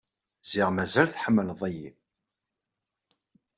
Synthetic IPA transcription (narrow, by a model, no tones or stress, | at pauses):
z̥iʁmæzælθħəmːəlðˤəjḭ